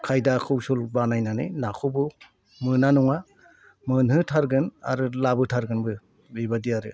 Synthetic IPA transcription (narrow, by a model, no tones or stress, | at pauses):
kʰajdakʰɯwsulbanajnanɯ̰nakʰɯbɯ | mɯnanɔŋa | mɯnhɯtʰaɾɡɯna̰ɾɯlabɯtʰaɾɡɯnbɯ | bibadiaɾɯ